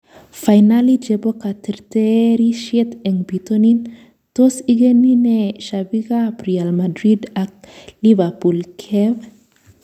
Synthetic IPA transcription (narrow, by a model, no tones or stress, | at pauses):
fajnalid͡ʒebokat̪eɾt̪eɾiʃjet̪eŋbit̪onin | t̪osiɡenineʃabiɡapɾealmad̪ɾid̪ak̚livapulkʰev